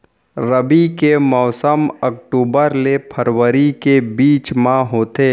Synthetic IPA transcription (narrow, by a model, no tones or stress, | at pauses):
ɾəbikemɔːsəmək̚ʈuːbəɾlepʰəɾwəɾikebiːt͡ʃmãɦoːt̪eː